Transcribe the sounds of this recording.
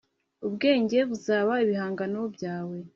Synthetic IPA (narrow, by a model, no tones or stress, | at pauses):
ubɡe̞ːɲɟe̞βuzaːβaiβiɦaːŋɡano̞bɟaːwe̞